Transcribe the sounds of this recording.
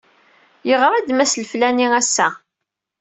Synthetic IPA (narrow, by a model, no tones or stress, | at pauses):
jəʁɾˤæd̪mæsləflæniæsːæ